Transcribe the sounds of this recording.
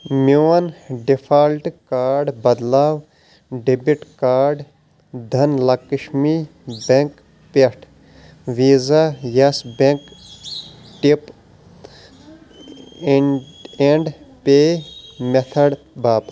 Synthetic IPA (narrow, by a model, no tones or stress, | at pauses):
muːɐnɖipʰaːlʈkaːɾɖbɐd̪laːw | ɖibiʈkaːɾɖ | d̪ʱɐnlɐkiʃmi | beŋk | peʈʰ | ʋiːzajɐsbeŋk | ʈip | eɳɖpemet̪ʰɐɽ | baːp